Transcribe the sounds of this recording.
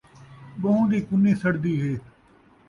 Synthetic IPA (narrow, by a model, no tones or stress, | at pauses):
bəɦũːd̪iːkʊnːiːsəɽd̪iːɦeː